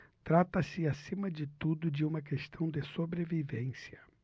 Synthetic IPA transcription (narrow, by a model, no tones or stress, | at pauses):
t̪ɾat̪ɐsɪasĩmɐd͡ʒɪt̪ud̪ʊd͡ʒɪũmɐk̬est̪ɐ̃w̃d̪ɪsobɾevivẽsiɐ